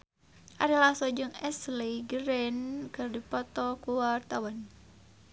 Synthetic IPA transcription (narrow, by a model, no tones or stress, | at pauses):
ʔaɾilahsɔd͡ʒɨŋɛslijɡəɾɛnkɨrdipɔt̪ɔkuwart̪awan